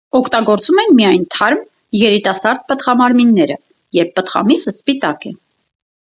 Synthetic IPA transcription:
ɔkʰt̪ɑɡɔɾt͡sumɛnmiɑjnt̪ʰɑɾm | jɛɾit̪ɑsɑɾd̪̚pət̪χɑmɑɾminːɛɾə̰ | jɛɾpːət̪χɑ̰misəspit̪ɑkɛ̰

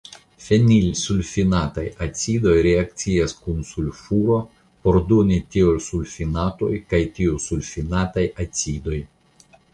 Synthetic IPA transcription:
fʲenʲilʲsulʲfʲinat̪ajat͡s̪ʲid̪ojɾʲeakt̪sʲijaskunsulʲfuɾo | poɾd̪unʲit̪ʲiolsulʲfʲinat̪ojkajt̪ʲiusulʲfʲinat̪ajɐt͡s̪ʲid̪oj

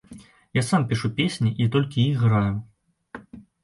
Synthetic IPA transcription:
jasampʲiʂupʲesʲnʲiʔit̪ɔlʲkʲiixɣɾaju

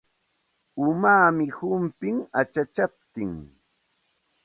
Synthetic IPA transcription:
ʊmaːmɪhʊmpɪŋat͡ʃat͡ʃap̚t̪ɪŋ

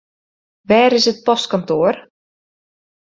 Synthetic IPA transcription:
ʋɛɾɪsət̪̚pɔst̪̚kɔnt̪oːɾ

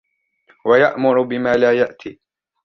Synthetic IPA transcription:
wajaʔmʊɾʊbɪmaːlaːjaʔt̪ʰiː

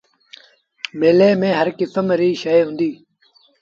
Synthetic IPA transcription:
meːleːmẽːɦəɾkɪsəmɾiːʃəeɦʊ̃ːnd̪iː

